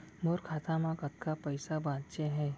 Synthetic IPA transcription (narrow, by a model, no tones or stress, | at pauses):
moːɾkʰaːt̪amãkɐt̪̚kapɐɪsabãːt̪t͡ʃeɦɛː